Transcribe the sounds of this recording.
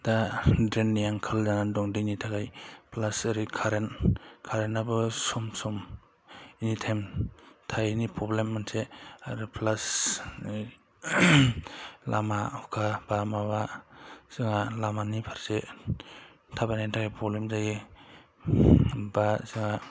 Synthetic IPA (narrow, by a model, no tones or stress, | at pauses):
dadɾenːijaŋkʰɯlzanadɔŋdinitʰakajplasaɾikʰaɾenkʰaɾenabɯsɔmsɔm | initʰemtʰajnipɾɔblemːansʰeaɾɯplasi | la̰maukʰabamabaz̥ɯŋalamanipʰaɾse | tʰabanatʰakajpʰɾɔblemzaji | bazɯŋa